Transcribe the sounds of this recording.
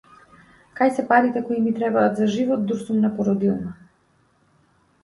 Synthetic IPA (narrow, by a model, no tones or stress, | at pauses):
kajsɛpaɾit̪ɛkɔimit̪ɾɛbaːt̪zaʒivɔt̪̚d̪uɾsumnapɔɾɔd̪ilˠma